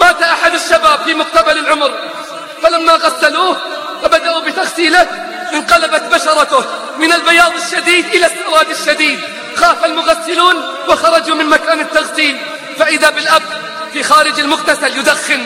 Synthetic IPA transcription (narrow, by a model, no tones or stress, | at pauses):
maːt̪aʔaħad̪aʃːabaːbfimʊq̚t̪abalɪlʕʊmɾ | falamːaɣasːaluːh | wɪbad̪aʔubɪt̪aɣsiːla | ʔɪnqɑlabat̪baʃɑɾˤɑt̪ʊ | mɪnɪlbajɑːðˤɪʃːad̪iːd̪ʔɪlasːɑɾˤɑːd̪ɪʃːad̪iːd̪ | xaːfalmʊɣasːɪluːn | wɪxɑɾˤɑd͡ʒumɪnmakaːnɪt̪ːaɣsiːl | faʔɪðabɪlʔab̚ | fixaːɾɪd͡ʒɪlmʊqt̪asaljʊd̪axːɪn